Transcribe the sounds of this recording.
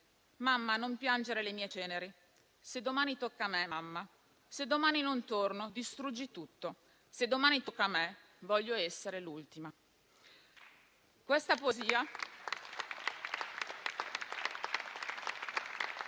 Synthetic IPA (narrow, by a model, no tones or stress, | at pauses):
mamːanompjand͡ʒeɾelemiːet͡ʃɛːneɾi | sed̪ːomaːnit̪okːameamːa | sed̪ːomaːninont̪ornod̪ist̪ɾud͡ʒːit̪ut̪ːo | sed̪ːomaːnit̪okːame | vɔʎːoɛsːeɾelult̪ima | kwest̪apoeziːa